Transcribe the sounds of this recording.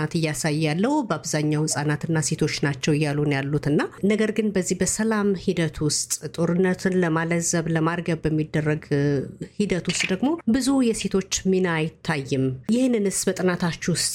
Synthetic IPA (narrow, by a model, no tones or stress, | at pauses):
at̪ɨjːasajːɛjalːəhubəaβzaɲːawhɨsʼanat̪ɨnːase̞t̪ʰo̞t͡ʃːnat͡ʃːɛwɪjːalunjalːut̪ɨnːanəɡəɾɡɨnbəzːihbəsəlamhid̪ət̪ʰwʊst̪ʼt̪ʼo̞ɾɨnːət̪ʰɨnləmaləzəβləmaɾɡəβəmːid̪ːərːəɡ | hid̪ət̪wʊst̪ʼd̪əɡmo̞bɨzujɛse̞t̪ʰo̞t͡ʃːmɨnajɪt̪ʰːajːɨmjɪhnːɨnɨsbət̪ʼɨnat̪ʰat͡ʃːwʊst̪ʼ